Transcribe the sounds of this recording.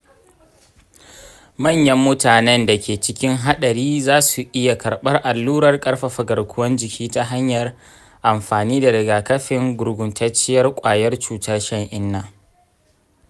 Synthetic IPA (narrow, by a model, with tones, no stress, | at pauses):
mɐ˦˨ɲjɐ˦mːʊ˦taː˨nɛ˦nda˨kʲeː˨t͡ʃɪ˦kʲɪ˦ŋɦa˦ɗɐ˨ɾiː˦zaː˦su˨ʔɪ˦ja˨kʰɐ˨ɽɓɐ˦rʔa˨lːuː˦ɾɐ˨rkʼɐ˦rɸa˨ɸɐ˨ɡɐ˨rkʷʰʊ˦wɐ˦nd͡ʒɪ˨kʲʰiː˦ta˦ɦa˦ɲjɐ˨r | ʔa˨mɸaː˨niː˦da˨ɾɪ˨ɡaː˨kɐ˦ɸɪ˨ŋɡʷʊ˨ɾɡʷʊ˨ntʰɐ˦t͡ʃːɪ˦jɐ˦rkʷʼaː˨jɐ˦rt͡ʃuː˨tʰaː˦ʃɐ˦ŋʔɪ˦nːaː˨